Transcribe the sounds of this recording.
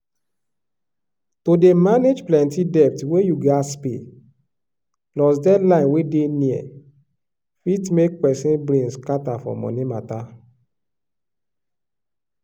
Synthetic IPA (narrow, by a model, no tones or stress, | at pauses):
todemaned͡ʒplɛ̃ntidɛp̚twejuɡaspḛ | lɔsdɛlãɪ̃nwedeniɛ̰ | fitmek̚pɛsĩnbɾẽnskatafɔ̰mɔ̰̃nimata